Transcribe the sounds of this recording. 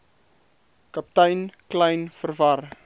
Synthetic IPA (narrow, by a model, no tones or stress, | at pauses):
kɐp̚təjnkləjnfərvɐr